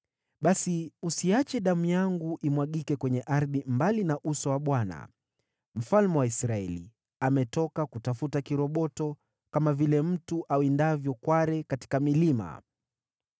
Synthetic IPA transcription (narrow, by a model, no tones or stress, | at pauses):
ɓasiusiat͡ʃɛɗamujaŋɡuʔimwaɠikɛkwɛɲɛʔaɾðimbalinaʔusɔwaɓwana̰ | m̩falmɛwaisɾaɛlḭ | amɛtɔkakutafutakiɾɔɓɔtɔ | kamavilɛm̩tuʔawindavjɔkwaɾɛkati̥kamilima̰